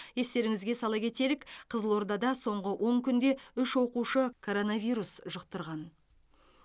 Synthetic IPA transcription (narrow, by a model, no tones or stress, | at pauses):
je̞st̪e̞ɾɪŋɪzɡʲe̞sɑlˠɑkʰʲe̞t̪e̞ɾɪkqʰəzəlˠwo̞ɾd̪ɑd̪ɑso̞ɴʁəwʔo̞ɴkʲʰʏnd̪e̞ʏʃwo̞quʃəkʰo̞ɾo̞navʲijɾusʒʊq̚t̪əɾʁɑn